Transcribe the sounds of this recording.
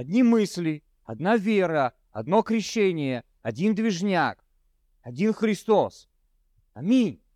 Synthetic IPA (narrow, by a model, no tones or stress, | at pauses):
ɐd̪ʲnʲimɨsʲlʲɪ | ɐd̪navʲeɾə | ɐd̪no̞kɾʲɪɕːenʲɪjə | ɐdʲind̪vʲɪʐnʲak | ɐdʲinxɾʲɪst̪os | ɐmʲinʲ